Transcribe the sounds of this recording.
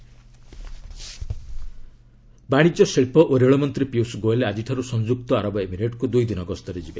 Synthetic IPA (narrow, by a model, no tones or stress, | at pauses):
baɽ̃id͡ʒɔseɭpɔʔoɾeɭɔmɔnt̪ɾipiusɡoelad͡ʒiʈʰaɾusɔŋd͡ʒuk̚t̪ɔaɾɔbɔemiɾeʈkud̪ujd̪inɔɡɔst̪ɔɾed͡ʒibe